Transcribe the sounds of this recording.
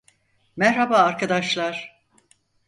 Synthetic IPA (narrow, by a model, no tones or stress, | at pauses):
mæɾhabaːɾkʰad̪aʃlˠaɾ̥